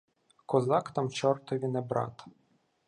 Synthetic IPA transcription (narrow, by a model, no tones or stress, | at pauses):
kɔzɑkt̪ɑmt͡ʃɔrt̪ɔʋʲinebɾɑ̰t̪